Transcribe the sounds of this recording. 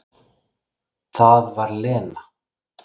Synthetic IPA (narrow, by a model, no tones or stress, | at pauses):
θaðvaɾlɛːna